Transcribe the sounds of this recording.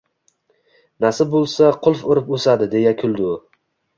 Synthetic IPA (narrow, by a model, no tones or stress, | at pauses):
nasɪbolˠsaqʰʊlˠfʊɾɪposad̪ɪd̪e̞jakʲʰʊlˠd̪ʊ